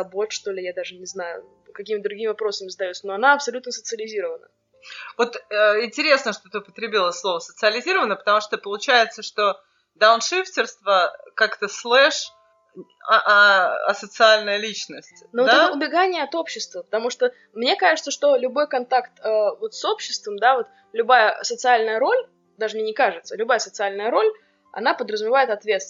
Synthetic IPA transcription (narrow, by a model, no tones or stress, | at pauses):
ɐbot̪ʂt̪o̞lʲɪjad̪aʐɨnʲɪznajʊ̰ | kɐkʲimɪt̪d̪ɾʊɡʲimʲɪvɐpɾo̞səmʲɪzəd̪ɐjot̪səno̞ɐnaɐpsɐlʲut̪nəsət̪sɨəlʲɪzʲiɾəvənə̰ | vo̞t̪əɪnʲtʲɪɾʲe̞snəʂt̪ot̪ɨpət̪ɾʲɪbʲilˠəslˠo̞vəsət̪sɨɐlʲɪzʲiɾəvənəpə̥t̪ɐmuʂt̪opəlˠʊt͡ɕæjɪt̪səʂt̪o | d̪aʊnʂɨftʲɪrst̪vəkakt̪əslˠɛʂ | ʔɐɐ̰sət̪sɨalʲnəjəlʲit͡ɕnəsʲtʲnoot̪ɛt̪əʊbʲɪɡanʲɪjəɐt̪o̞pɕːɪst̪vəpə̥t̪ɐmuʂt̪o | mnʲe̞kaʐɨt̪səʂt̪o̞lʲʊbo̞jkɐnt̪akt̪əvo̞t̪so̞pɕːɪst̪vəmd̪avo̞t̪ | lʲʊbajəsət̪sɨalʲnəjəɾo̞lʲ | d̪aʐɨmnʲenʲɪkaʐɨt̪səlʲʊbajəsət̪sɨalʲnəjəɾo̞lʲ | ɐ̰napəd̪ɾəzʊmʲɪvajɪt̪ɐt̪vʲet̪s